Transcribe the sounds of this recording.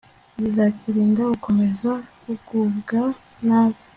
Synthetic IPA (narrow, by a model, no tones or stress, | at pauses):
βizakiɾiːndauko̞mezakuɡubɡa | naːβi